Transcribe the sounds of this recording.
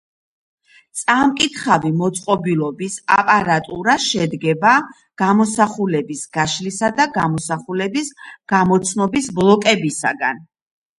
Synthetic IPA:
t̪sʼamkʼit̪ʰχavimɔt̪sʼqʼɔbilˠɔbisa̰pʼaɾat̪ʼuɾaʃɛd̪ɡɛba | ɡ̥amɔsaχulɛbisɡ̥aʃlisad̪aɡamɔsaχulɛbisɡ̥amɔt̪sʰnɔbisblˠɔkʼɛbisa̰ɡan

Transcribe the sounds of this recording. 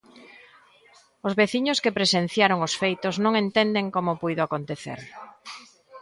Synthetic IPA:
ʊzβeθiɲʊskepɾesen̟θjaɾoŋosfejt̪ʊznõŋẽnt̪end̪eŋkomopujðʊakont̪eθḛɾ

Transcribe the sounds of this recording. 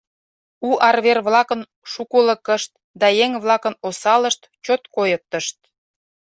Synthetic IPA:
uʔɑrβerβlɑkən | ʃukuləkəʃt̪̚ | d̪ɑjeŋβlɑkənosɑləʃt̪ | t͡ɕot̪kojək̚t̪əʃt̪̚

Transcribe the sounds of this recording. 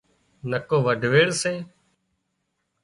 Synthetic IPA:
nəkoːʋəɖʱʋeːɽsẽː

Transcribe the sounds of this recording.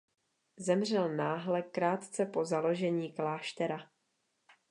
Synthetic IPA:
zɛmr̝ɛlnaːɦlɛkːɾaːt̪t͡sɛpo̞zalo̞ʒɛɲiːklaːʃt̪ɛɾa

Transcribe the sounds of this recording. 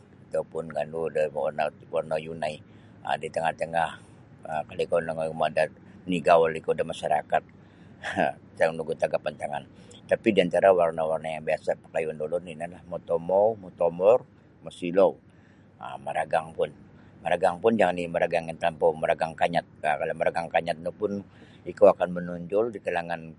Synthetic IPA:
it̪apʊnɡanudəwarnawarnajunaj | ə̰dit̪əŋaht̪əŋah | əkalikonaŋamada | niɡawlikaudahmaʃaɾakat̪̚ | tanuɡut̪aɡapant̪aŋant̪apidiant̪aɾawarnawarnajaŋbiasapə̥kajundolɔrninalahmot̪omowmot̪omɔr | mosilow | ə̰məɾaɡaŋpʊn | məɾaɡaŋpʊnd͡ʒaŋaniməɾaɡaŋɪnt̪lampoməɾaɡaŋkaɲat̪̚akalaməɾaɡaŋkaɲat̪̚nupʊn | ikoakanmənuɲd͡ʒʊldikalaŋan

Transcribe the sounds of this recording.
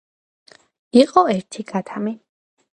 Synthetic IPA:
iqʼɔɛɾt̪ʰiɡat̪ʰami

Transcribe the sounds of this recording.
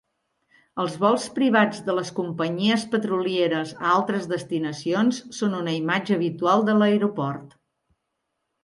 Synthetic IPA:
əlˠzβɔlˠspɾiβ̞ad͡zðələskumpəɲiəspət̪ɾulieɾəzə̰alˠt̪ɾəzðəst̪inəsionsːonunəimad͡ʒəːβit̪ualˠd̪ələjɾupɔrt̪

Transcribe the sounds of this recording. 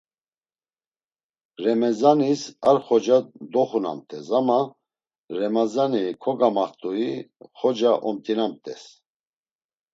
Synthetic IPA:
ɾɛmɛzanisaɾχɔd͡ʒad̪ɔχuna̰mt̪ʼʰɛsama | ɾɛmazanikʰɔɡamaχt̪ʼuiχɔd͡ʒaʔɔmt̪ʼinamt̪ʼɛ̰s

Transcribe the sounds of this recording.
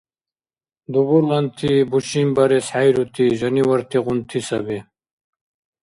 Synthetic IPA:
d̪ubulɐnt̪ʰibuɕimbɐɾesħajɾut̪ʰiʑɐniwɐɾt̪ʰiqunt̪ʰisɐbi

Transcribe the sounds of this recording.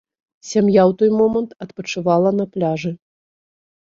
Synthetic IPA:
sʲamjawt̪ɔjmɔmɐnt̪ɐt̪pɐt͡ʂɨvalˠɐnɐplʲaʐɨ

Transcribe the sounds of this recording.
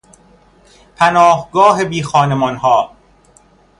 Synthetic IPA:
pʰænɒːhɡɒːɦebiːxɒːnemɒːnɦɒː

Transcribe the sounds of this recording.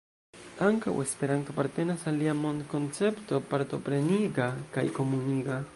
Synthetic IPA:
aŋkaw̰espeɾaŋkapaɾt̪enasaliamonkonsept̪opaɾt̪opɾeniɡɑkajkomʊniɡɑ

